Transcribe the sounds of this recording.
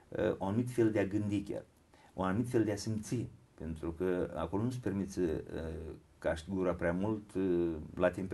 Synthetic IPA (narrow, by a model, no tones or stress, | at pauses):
uanumit̪fe̞ld̪eaɡɨnd̪ikʲa̰r | uanumit̪fe̞ld̪easimt̪sipe̞nt̪ɾukəa̰ko̞lonuspe̞rmit̪sʲəə | kaʃt̪iɡuɾapɾeamult̪lat̪emp